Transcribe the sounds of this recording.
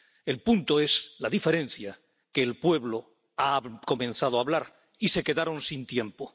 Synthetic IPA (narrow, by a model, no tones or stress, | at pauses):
e̞lpunt̪o̞e̞slaðife̞ɾẽ̞nθja | ke̞ːlpwe̞βlo | ako̞mẽ̞nθað̞oaβlaɾ | ise̞ke̞ðaɾo̞nsint̪je̞mpo